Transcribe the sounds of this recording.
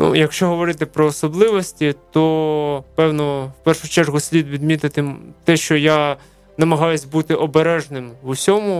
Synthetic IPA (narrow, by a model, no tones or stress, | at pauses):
nṵjɐkʃt͡ʃɔɦɔʋɔɾɪt̪ɪpɾɔːsɔblˠɪʋɔsʲtʲit̪ɔpɛwnɔwpɛrʃʊt͡ʃɛrɦʊsʲlʲid̪ʋʲid̪mʲit̪ɪt̪ɪt̪ɛʃt͡ʃɔja | nɐmɐɦɑjʊsʲbut̪ɪʔɔbeɾɛʒnɪmʋusʲɔmʊ